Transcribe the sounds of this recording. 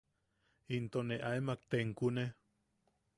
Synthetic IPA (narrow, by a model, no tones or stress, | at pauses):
int̪oneʔaemak̚t̪eŋkune